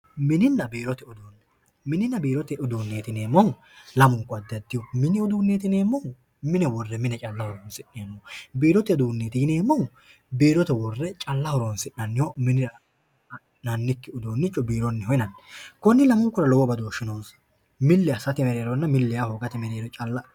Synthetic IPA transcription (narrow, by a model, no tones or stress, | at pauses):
mɪnɪnːɐbeːɾɔt̪ɛʊd̪oːnːɛ | mɪnɪnːɐbeːɾɔt̪ɛʔʊd̪uːnːeːt̪ɪneːmːɔw | lɐmʊŋkːɔɐd̪ɐd̪ːɪjɔmɪnɪʊd̪uːnːeːt̪ɪneːmːɔw | mɪnɛwɔrːɛmɪnɛt͡ʃʼɐlːɐhɔɾoːnsɪʔɪjɐnːɔbeːɾɔt̪ɛʊd̪uːnːeːt̪ɪɪne̞ːmːɔw | beːɾɔt̪ɛwɔrːɛt͡ʃʼɐlːɐhɔɾoːnsɪʔɐnːɪjomɪnɪɾɐ | nɐnːɪkːɪʊd̪oːnːɪt͡ʃʼːɔbiːɾɔnːɛhɔjɪnɐnːɛkɔnːɪlɐmʊŋkːʊɾɐlɔwɔbɐd̪oːʃɪnoːs | mɪlːɪɐsɐt̪ɛmɛɾeːɾɔnːɐmɪlːɪjahoɡɐt̪ɛmɛɾeːɾɔt͡ʃʼɐlːɐ